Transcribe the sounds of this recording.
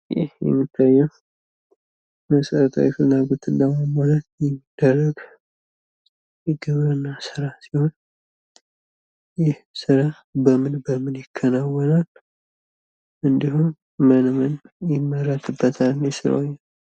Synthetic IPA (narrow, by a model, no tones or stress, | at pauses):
jɪ̰hjɛ̰mːit̪ʰːajːɛ | məsəɾət̪ʰʼə̰wjɛfɨlnaɡot̪ʰɨnːəməmolat̪jɛmːid̪̥ːərəɡ̥ | jɪɡɨβəɾɨnːasɨɾasiho̞n | jɪhsɨɾa | bəmɨnbəmɨnjɪkʰːənawɔnal | ʔɨnd̪iɦum | mənmənjɪmːəɾət̪ʰɨbːət̪ʰalnesɨɾo̰jɛn